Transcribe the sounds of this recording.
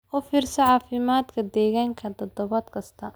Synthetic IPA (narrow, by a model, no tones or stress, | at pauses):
ʔɔːfiːrsɐʕɑːfɪmaːd̪kʰɐd̪ɛːɣaːŋkʰɐt̪ʰɔd̪ɔβɐːd̪kʰɐst̪ʰɐ